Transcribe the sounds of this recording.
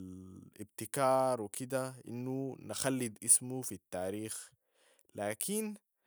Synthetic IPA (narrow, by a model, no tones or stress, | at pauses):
lʔibt̪ɪkɑːɾˤwikid̪aʔḭnːunɪxalːid̪ʔismufit̪ːaːɾiːx | laːkʰin